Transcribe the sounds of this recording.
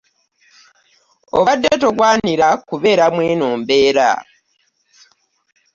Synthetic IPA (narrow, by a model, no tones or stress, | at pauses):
o̰βadːetoɡwaːniɾakuβe̞ːɾamwe̞ːnoːmbe̞ːɾa̰